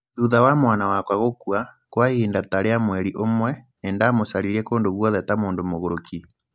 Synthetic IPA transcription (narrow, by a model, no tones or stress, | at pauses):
ðuðawamwaːnawakwaɣokwa | kwahiːndataɾeamwɛɾiʔomwɛneːndamosaɾiɾiɛkoːndoβwɔðɛtamoːndomoɣoɾoki